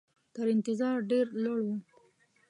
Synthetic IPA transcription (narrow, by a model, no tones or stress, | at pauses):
t̪əɾɪnt̪ɪzɑɾɖeɾlaɽwu